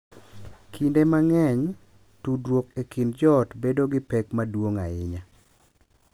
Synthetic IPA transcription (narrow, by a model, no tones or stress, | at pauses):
kʰindemaŋɛɲ | tudɾwokekindd͡ʒɔtbedoɡɪpɛkmadwoŋa̰ɪɲa